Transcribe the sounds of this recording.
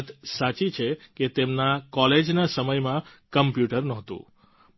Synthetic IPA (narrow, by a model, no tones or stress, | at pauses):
t̪sat͡ʃit͡ʃʰeket̪emnakɔled͡ʒnasəməjmãkəmpjuʈəɾnɔɦt̪ṵ̃